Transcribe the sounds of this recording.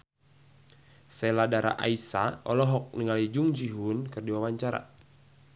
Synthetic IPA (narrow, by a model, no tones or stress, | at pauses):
seladaɾa̰ʔa̰isaɔlɔɦɔk̚niŋalid͡ʒuŋd͡ʒiɦunkɨrdiwawaɲt͡ʃaɾa̰